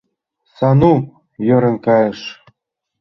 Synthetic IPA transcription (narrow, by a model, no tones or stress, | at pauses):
sɑnu | jøɾĕnkɑjə̆ʃ